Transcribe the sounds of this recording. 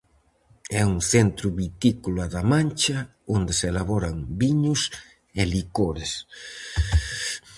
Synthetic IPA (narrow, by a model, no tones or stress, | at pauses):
ɛuŋθent̪ɾʊβit̪ikulaðamãnʲt͡ʃɐ | ond̪eselaβɔɾaŋbiɲʊs | elikoɾes